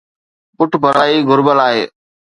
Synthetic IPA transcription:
pʊʈʰbʱəɾaaːiːɡʱʊɾbəlaːɦḛː

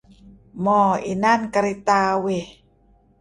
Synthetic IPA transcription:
mɔinankaɾit̪awe

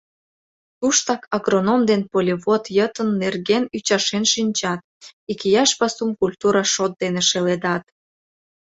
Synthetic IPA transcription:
t̪uʃt̪ɑkɑɣronomd̪enpolʲiβot̪jət̪ənːerɣenyt͡ɕɑʃenʃinʲt͡ɕɑt̪̚ | ikijɑʃpɑsumkulʲt̪uɾɑʃot̪̚d̪eneʃeled̪ɑt̪

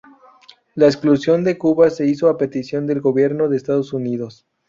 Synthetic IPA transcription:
laeksklusjo̞nd̪e̞kuβase̞iso̞ape̞t̪isjo̞nd̪e̞lɣo̞βje̞ɾno̞ðe̞ːst̪aðosuniðo̞s

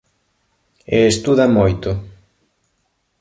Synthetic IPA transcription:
eːst̪uðɐmojt̪ʊ

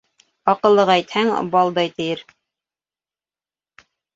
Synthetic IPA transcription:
ɑqɤ̆lˠːɤʁæjt̪hæŋbɑlˠd̪ɑjt̪ɘ̆jɘɾ

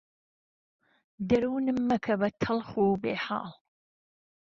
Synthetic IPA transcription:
d̪ɐɾuːnɨmːɐkʰɐbɐt̪ʰɨlχuːbeːħa̰ːl

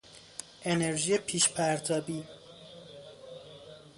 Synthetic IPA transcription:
ʔe̞ne̞ɾʒiːjepʰiːʃpʰæɾt̪ʰɒːbiː

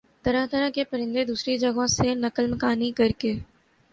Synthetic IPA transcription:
t̪ɐɾəɦt̪əɾəkepəɾɪ̃nd̪ed̪uːsɾid͡ʒɐɡõsenɐkəlmkaːnikɐɾkeː

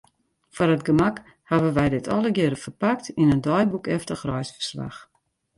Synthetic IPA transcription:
fɔrətɡəmak | haʋənʋɛjdɪtʰɔləɡɪɾəfərpaktinəndɔjbukɛftəxrɔjsfə̥rsla̰x

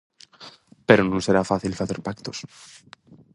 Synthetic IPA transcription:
pe̞ɾonõnse̞ɾafaθilfaθeɾpakt̪os

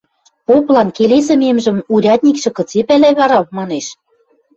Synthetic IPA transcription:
poplɑnkeles̬ə̆memʒə̆muɾʲɑt̪̚ʲnʲikʃɤ̆kɤ̆t͡sepælæβɑɾɑmɑneʃ

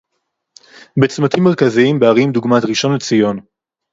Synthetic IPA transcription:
bet͡smat̪imːe̞ʁkaziimbeaʁimd̪uɡmat̪ʁiʃo̞nlet͡sijo̞n

